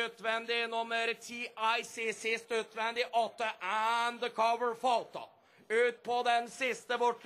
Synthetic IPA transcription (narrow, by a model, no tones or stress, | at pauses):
øt̪ʋɛnd̪ɪnʊməɾt̪ʰiːʔɑɪsisɪst̪nøːt̪ʋɛnd̪ɪʔɔt̪̚əʔænd̪əkʰɔʋəɹfɔlt̪ɑ̰ | ʉːt̪̚pʰɔd̪ɛnsɪst̪əʋɔʈ